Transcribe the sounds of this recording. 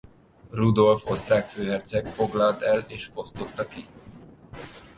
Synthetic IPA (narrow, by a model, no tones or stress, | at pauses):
rud̪o̞lfo̞st̪raːkføːɦɛrt̪sɛkfo̞ɡlɒlt̪ɛleːʃfo̞st̪o̞t̪ːɒki